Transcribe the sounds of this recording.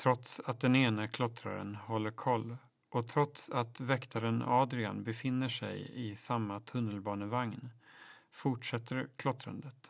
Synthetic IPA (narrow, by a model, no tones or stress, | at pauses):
t̪ʰɾɔt̪sat̪̚d̪ɛneːnakʰlɔt̪ɾa̰ɾə̰nhɔlːəɾkʰɔlː | ʔɔt̪ʰɾɔt̪sat̪vɛkt̪ʰaɾənɑːd̪ɾɪa̰nbɛfɪnːəʂɛ̰jɪsamːat̪ʰɵnːəlbɑːnəvaŋnfʊʈʂɛt̪ʰːəɾkʰlɔt̪ɾa̰nd̪ət̪